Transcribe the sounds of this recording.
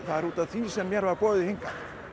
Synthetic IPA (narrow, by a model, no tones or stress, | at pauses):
θaðɛɾuːt̪aðθvisɛmːjɛɾvaɾpɔːðɪheŋkan